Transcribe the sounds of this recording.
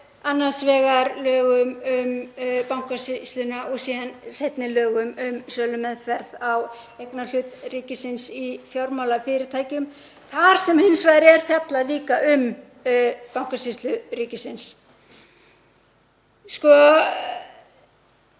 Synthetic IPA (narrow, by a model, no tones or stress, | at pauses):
anːansvɛːɣaɾlœːɣʏmʏmpawŋ̥kasɪst̪lʏnaʔɔɣsiːðansejt̪nɪlœːɣʏmʏmsœːlʏmɛðfɛɾðawejknalʏt̪riːcɪsɪnsifjowɾmawlafɪːɾɪt̪ʰaːjcʏm | θaɾ̥sɛmhɪnsvaːjɾɪɛɾ̥θjat̪laliːkaʔʏm | pawŋ̥kasist̪lʏɾiːcɪsɪns | skɔ